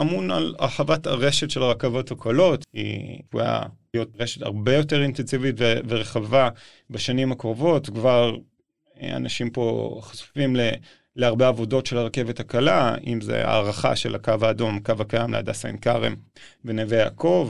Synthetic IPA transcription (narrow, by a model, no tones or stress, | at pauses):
amuna̰la̰ħavataʁeʃetʃelaʁakavo̞thakʰolo̞tḭkuja̰ijot̚ʁeʃeta̰ʁbe̞jo̞teʁintensivitveveʁeχava | baʃanimhakʁovo̞tkvaʁ | a̰naʃimpo̞χḁsu̥fimle | leaʁbeavo̞do̞tʃelaʁke̞vethakalaimzḛa̰ːʁaχa̰ʃe̞̰la̰kavaːdo̞makavakajamlḛa̰da̰sa̰nkaʁem | venevea̰kʰo̞v